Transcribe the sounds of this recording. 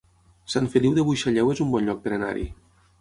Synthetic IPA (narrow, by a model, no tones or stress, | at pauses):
saɱfeliwðeβujʃaʎɛwezumbɔnʎɔk̚t̪ɾena̰ɾḭ